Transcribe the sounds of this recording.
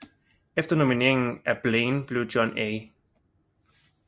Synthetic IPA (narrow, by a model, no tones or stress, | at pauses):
ɛftənɔmineɪ̃ŋæb̥lẽnb̥luːd͡ʒɔ̃ne